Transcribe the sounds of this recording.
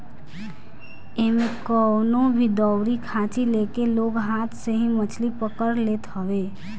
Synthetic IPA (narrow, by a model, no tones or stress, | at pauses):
emekəwnobʱid̪ɔwɾikʰat͡ʃilekeloɡɦat̪ʰsẽɦĩmət͡ʃʰlipəkəɾlet̪ɦəʋe